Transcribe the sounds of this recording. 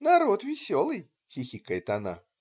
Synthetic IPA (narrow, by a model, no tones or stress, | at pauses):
nɐɾot̪vʲɪsʲolˠɨj | xʲixʲikəjət̪ɐna̰